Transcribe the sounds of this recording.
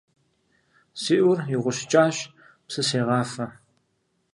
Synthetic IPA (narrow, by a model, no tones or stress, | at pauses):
siːʔʊrɪʁʷʊɕt͡ʃʼaːɕ | psɨseːʁɑːfɐ